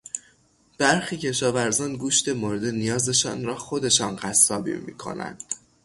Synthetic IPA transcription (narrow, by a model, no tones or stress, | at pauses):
b̥æɾxiːcʰe̞ʃɒːvæɾzɒːnɡuːʃt̪e̞moːɾed̪e̞nijɒːze̞ʃɒ̰ːnɾɒːxo̞d̪e̞ʃɒːnɢæsːɒːbḭːmḭːkʰo̞̰næ̰nd̪̥